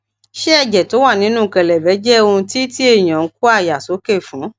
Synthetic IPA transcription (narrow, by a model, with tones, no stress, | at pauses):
ʃe˦ɛ˦˨d͡ʒɛ˨to˨˦wa˦˨nĩ˨˦nũː˦˨kɛ˨lɛ˨bɛ˨˦d͡ʒɛ˦o˧ũ˧ti˦ti˦e˦˨j̃ã˨˦ku˦a˦˨ja˨so˨˦ke˦˨fũ˨˦